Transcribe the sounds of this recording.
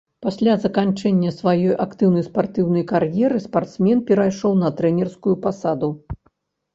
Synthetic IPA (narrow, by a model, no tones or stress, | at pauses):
pasʲlʲazɐkant͡ʂɛnʲːɐsvajɔjʔakt̪ɨwnɐjspart̪ɨwnɐjkarjɛɾɨspart̪smʲɛnpʲɛɾajʂɔwnɐt̪ɾɛnʲɛrskujupasad̪u